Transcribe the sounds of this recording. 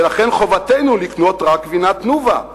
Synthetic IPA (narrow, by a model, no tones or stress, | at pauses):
elaχenχo̞vat̪ejnulikno̞t̪ʁakːvinat̪nuva